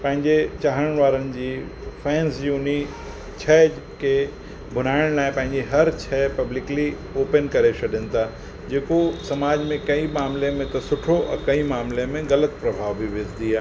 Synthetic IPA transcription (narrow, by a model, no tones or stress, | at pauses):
pɐ̃ɦɪ̃ɲd͡ʑet͡ɕaːɦəɽ̃ʋaːɾənɪ̆d͡ʑiː | fʰɛ̃ːnsd͡ʑjiʊni | t͡ɕʰɛː | ke | bʱʊn̤aːɪɽ̃laːɪpɐ̃ɦɪ̃ɲd͡ʑeɦɐɾt͡ɕʰɛːpɐblɪkli | oːpənkɐɾet͡ʃʰɐɗɪnt̪a | d͡ʑeːkosɐmaːd͡ʑmẽkɐimaːmlemẽt̪ɐsʊʈʰoʔɐ̰̃kɐĩmaːmlemẽɣɐlət̪pɾɐbʱaːʋbʱiʋezd̪iaː